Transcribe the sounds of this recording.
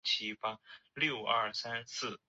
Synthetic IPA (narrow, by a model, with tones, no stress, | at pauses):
t͡ɕʰi˥fɑ˥ljo˥˩ʊɐ̰˥˩sa˥nsɹ̩˥˩